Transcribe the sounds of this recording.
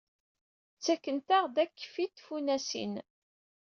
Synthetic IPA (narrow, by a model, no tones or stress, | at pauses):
t͡sːækːənt̪aʁd̪ækːfit̪funæsḭn